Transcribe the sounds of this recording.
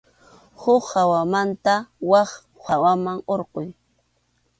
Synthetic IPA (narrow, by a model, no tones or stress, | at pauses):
hʊχhawamant̪awɑχ | hawamaŋoɾqoj